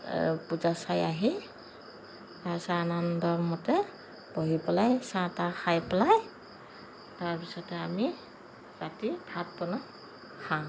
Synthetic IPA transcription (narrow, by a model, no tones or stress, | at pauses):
puzasajaɦi | asanandɔːɔtɛ | b̥ɔɦipɛlajsataxʰajpɛlaj | taɹpisɔtɛami | ɹatidʰʱat̚pɔna | kʰaw̃